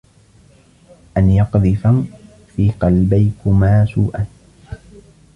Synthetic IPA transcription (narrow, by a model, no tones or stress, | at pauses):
ʔanjɑqd̪ˤɨfam | fiːqɑlbajkʊmaːsuːʔan